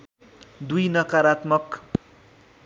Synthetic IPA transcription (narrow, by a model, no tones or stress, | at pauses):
d̪ujnʌkaɾat̪mʌk